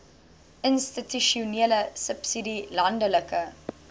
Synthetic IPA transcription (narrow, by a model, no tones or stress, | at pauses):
ʔənstityʃiuniələsəpsidilɐndələkə